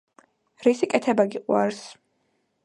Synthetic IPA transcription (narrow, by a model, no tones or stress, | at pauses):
ɾisikʼɛt̪ʰɛbaɡiqʼwaɾs